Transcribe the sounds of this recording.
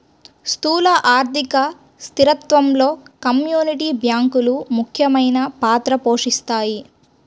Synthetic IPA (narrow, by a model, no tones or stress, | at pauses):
st̪uːlɐʔaːɾt̪ikɐ | st̪iɾɐt̪ʋɐmlo̞ːkɐmjuːniʈiːbʱjaːŋkulumukʰjɐmɐjnɐpaːt̪ɾɐpoːʂist̪aːji